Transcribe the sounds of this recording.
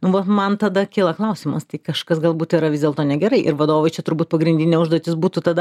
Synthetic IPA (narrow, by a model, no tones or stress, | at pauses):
nʊʋɐtmɐnt̪ɐd̪ɐkʲiːlˠɐklˠɐʊsʲiːmɐst̪ɐɪkɐʃkɐsɡɐlˠbuːt̪iːɾɐʋʲɪzʲdʲeɛlˠt̪oːnʲɛɡʲɛɾɐɪʔɪ̰ɾʋɐd̪oːʋɐɪt͡ʃʲɛt̪ʊɾbuːt̪̚pɐɡɾʲɪnʲdʲɪnʲeːʊʒd̪oɔt̪ʲɪsbuːt̪ut̪ɐd̪ɐ